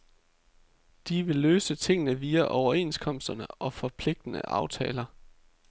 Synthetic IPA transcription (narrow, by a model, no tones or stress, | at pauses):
d̥iʋe̝løːsət͡sʰe̝ŋ̰nəʋiːæʔɒʊɐe̝̰ːnskʰɒ̽m̰sd̥ɐnəʔɒ̽fɒ̽pʰle̝ɡ̥̚d̥ənə̰ʔɑ̈ʊt͡sʰɛːlɐ